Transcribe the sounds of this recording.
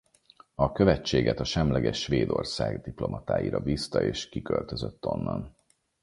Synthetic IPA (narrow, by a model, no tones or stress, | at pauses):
ɒkø̞vɛt͡ʃːeːɡɛt̪ɒʃɛmlɛɡɛʃːʋeːd̪o̞rsaːɡd̪iplo̞mʔɒt̪aːjiɾɒbiːst̪ɒeːʃkikølt̪øzøt̪ːo̞nːɒn